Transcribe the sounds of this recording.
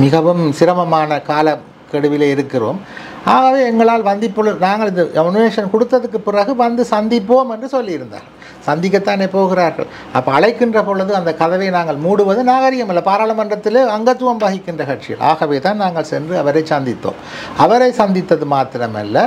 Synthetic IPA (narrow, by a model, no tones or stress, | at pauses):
mɪɣɐʋɯmsɪɾɐmɐmaːnɐkaːlɐ | kɛɽɯʋɪleːɪɾɯkːɪro̰ːm | aːɣɐʋeːɛŋɡɐɭaːlʋɐnd̪ɪpːoːɭɐnaːŋɡɐɭɪðɯʔɛmɐnɯeːʂɐnkɔɽɯt̪ːɐðɯk̬ːɯpɪrɐɣɯʋɐnd̪ɯsɐnd̪ɪpːoːmɛndrɯsɔlːɪjɪɾɯnd̪a̰ːɾɣɐɭ | sɐnd̪ɪk̬ːɐt̪ːaːneːpoːɣɪraːɾɣɐ̰ɭ | ɐpːoːɐɭɐɪkːɪndrɐpoːɭɐðɯɐnd̪ɐkɐðɐʋɐɪnaːŋɡɐɭmuːɽɯʋɐðɯnaːɣɐɾɪɣɐmɐlːɐpaːɾaːɭɐmɐnrɐt̪ːɪleːɐŋɡɐt̪ːɯʋɐmʋɐɣɪkːɪndrɐkɐʈt͡ʃɪjɐ̰lʔa̰ːɣɐʋeːt̪aːnnaːŋɡɐɭsɛndrɯɐʋɐɾɐɪt͡ʃsɐnd̪ɪt̪ːo̰ːm | ɐʋɐɾɐɪsɐnd̪ɪt̪ːɐðɯmaːt̪ːɪɾɐmɐ̰lːɐ